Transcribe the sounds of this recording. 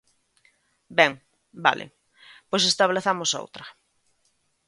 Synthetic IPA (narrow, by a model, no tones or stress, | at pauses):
bɛŋ | ba̰lʔɪ̰ | pojs̬est̪aβleθamoso̰wt̪ɾɐ